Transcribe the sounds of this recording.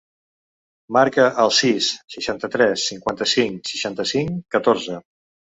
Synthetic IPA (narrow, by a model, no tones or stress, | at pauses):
maɾkəʔəlˠsisʃəʃant̪ət̪ɾɛsːiŋkwant̪əsiŋsi̥ʃant̪əsiŋkət̪oɾzə